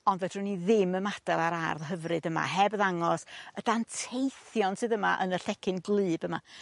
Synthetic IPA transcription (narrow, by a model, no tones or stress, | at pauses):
ɔndvɛd̥rʊniðɪməmad̥alˠaɾarðɦəvrɨdəma̰ɦɛbðaŋɔsəd̥antʰejθjɔnsɨːðəma̰ʔə̰nəɬɛkʰɨnɡlˠɨːbəma̰